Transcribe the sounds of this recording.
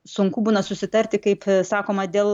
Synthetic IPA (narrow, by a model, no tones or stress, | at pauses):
sʊŋkuːbuːnɐsʊsʲɪt̪ɐɾʲt̪ʲɪkɐɪpsɑːkoːmɐd̪ʲeːlˠ